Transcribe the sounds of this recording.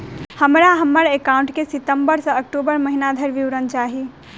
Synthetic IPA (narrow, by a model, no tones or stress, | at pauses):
hɐmɾaɦɐməɽekaːʊ̃ɳʈkesɪt̪əmbəɾsɐ̃ɐk̚ʈuːbəɾmɐɦinad̪ʱəɾʋiʋɾənt͡ʃaːɦi